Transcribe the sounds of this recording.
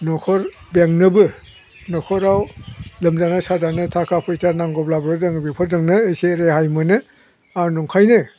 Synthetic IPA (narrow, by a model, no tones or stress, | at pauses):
nɔkʰɔɾ | beŋnɯbɯ | nɔkʰɔɾawlɯmzanɯsazanɯtʰakʰapʰɯjtanaŋɡɔblabɾɯzɯŋbikʰɔɾzɯŋnɯejseɾehajmɯnɯ | anɔŋkʰajnɯ